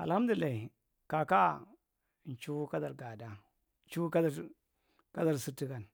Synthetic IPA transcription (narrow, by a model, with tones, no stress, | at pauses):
a̰˨lha˦m˦du˨i˨lːa˨i˨ | ka˨ka˦˨ | n˨t͡ʃu˦ka˦da˨ɾɡa˨da˦ | n˦t͡ʃu˦ka˦da˨ | ka˦da˨ɾsu˦ti˦ka˨n